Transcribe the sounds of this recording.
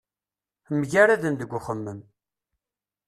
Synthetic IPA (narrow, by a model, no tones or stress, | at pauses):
məʝaɾaðənd̪əɡʷːʊχəmːəm